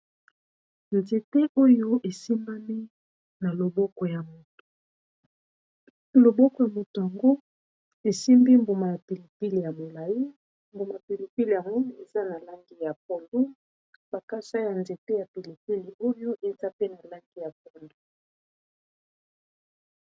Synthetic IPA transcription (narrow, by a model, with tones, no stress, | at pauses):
nze˨te˦ʔo˦jo˦ʔe˨si˦ma˦mi˦ | na˨lo˨bɔ˦kɔ˨ja˨mo˨to̥˨ | lo˨bɔ˦kɔ˨ja˨mo˨to˨ja˨ŋɡo˦ | e˨si˦mbi˦mbu˨ma˨ja˨pi˨li˨pi˦li˨ja˨mo˨la˨ji˦ | mbo˨ma˨pi˨li˨pi˦li˨ja˨ŋɡo˦e˨za˦na˨la˦ŋɡi˦ja˨p̚ɔ˨ndo˦ | b̥a˨ka˦sa˦ja˨nze˨te˦ja˨pi˨li˨pi˦li˨o˦jo˦ʔe˨za˦pe˦na˨la˦ŋɡi˦ja˨p̚ɔ˨ndo˦